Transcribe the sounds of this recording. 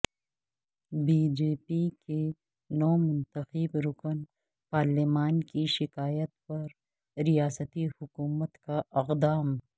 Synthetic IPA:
biːd͡ʒeːpike | nɔːmʊnt̪əxəbɾʊkən | paːɾlimaːnkiʃɪkaːjət̪̚pɐɾ | ɾijaːsət̪ihʊkuːmət̪kaɪqd̪aːm

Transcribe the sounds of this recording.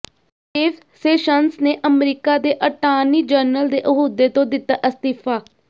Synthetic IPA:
eːf | seːʃənsneːʔəmɾiːkaːd̪eːʔəʈaːniːd͡ʒəɾnəld̪eːʔəɦud̪eːt̪õːd̪ɪt̪ːaːʔɪst̪ɪːfʰaː

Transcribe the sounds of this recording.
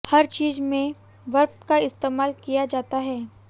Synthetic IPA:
hɐɾt͡ʃiːzmẽ | ʋɐɾft̪kaɪst̪eːmaːlkijad͡ʒaːt̪aɦɛː

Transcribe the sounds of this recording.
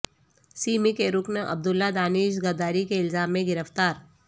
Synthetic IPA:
siːmikeɾʊknʔɐ̰b̚d̪ʊlːad̪aːnɪːʃɡɐɾd̪aːɾikeɪlzaːmːẽɡɪɾəft̪aːɾ

